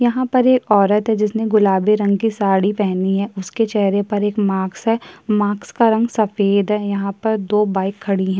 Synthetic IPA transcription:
jɐɦãpɐɾeːkɔːɾət̪ɦɛd͡ʒɪsneɡʊlaːbeɾɐ̃ŋɡkisaːɽipɛɦniɦɛːʊsket͡ʃɛɦɾepɐɾeːkmaːksɦɛːmaːkskaɾɐ̃ŋɡsɐfeːd̪ɦɛːjɐɦãpɐɾd̪oːbaːɪkʰːɐɽiɦɛ̃ː

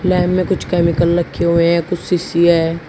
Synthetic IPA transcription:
lɛːmːẽkʊt͡ʃʰkɛːmɪkəlːɐkʰːeɦueɦɦɛ̃kʊt͡ʃʰsiːsiɛː

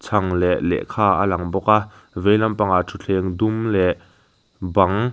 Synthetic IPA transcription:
t͡sʰɐŋlɛʔlɛ̰ʔkʰaːʔəlɐŋbɔka | vejlɐmpaŋaʔtʰut͡ɬʰɛŋd̪umlɛʔ | bɐŋ

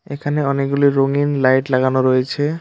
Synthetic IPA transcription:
ekʰaneɔnekɡuliɾoŋinlajʈlaɡanoɾojet͡ɕʰe

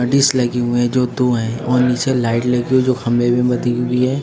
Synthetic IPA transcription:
ɐɖɪslɐɡiɦueɛ̃d͡ʒoːd̪oɦɛ̃ɔːɾnit͡ʃelaːɪʈlɐɡiɦued͡ʒoːxɐmlebẽbɐd̪iɦʊiɦɛː

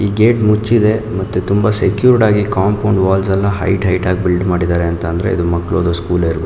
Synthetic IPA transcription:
iːɡeːʈmut͡ʃːid̪e̞mɐt̪ːut̪umbɐsekjuːɾɖaːɡikaːmpʰɐwɳɖʋaːlsɛlːɐɦɐ̰jʈɦɐjʈaːɡ̚bilɖmaːɽid̪aːɾeɐnt̪ɐnd̪ɐɾe̞̰ḭd̪umɐkːɐɭoːd̪ɐskuːlɐiɾbe

